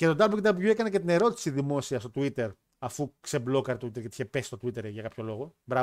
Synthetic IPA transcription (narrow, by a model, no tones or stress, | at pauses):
cet̪o̞d̪ɐblud̪ɐbʝue̞kɐnecet̪ine̞ɾo̞t̪i̥siðimo̞siɐst̪o̞t̪uit̪e̞ɾ | ɐfukseblo̞kɐɾet̪ot̪uit̪eɾcet̪içepesi̥st̪ot̪uit̪e̞ɾʝɐkɐpço̞lo̞ɣo̞bɾɐ